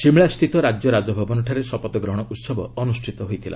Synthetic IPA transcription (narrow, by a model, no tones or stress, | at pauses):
ʃimɭast̪ʰit̪ɔɾad͡ʒjɔɾad͡ʒɔbʱɔbɔnɔʈʰaɾesɔpɔt̪ɔɡɾɔɦɔɽ̃ɔʔut̪sɔbɔɔnusʈʰit̪ɔɦojt̪ʰila̰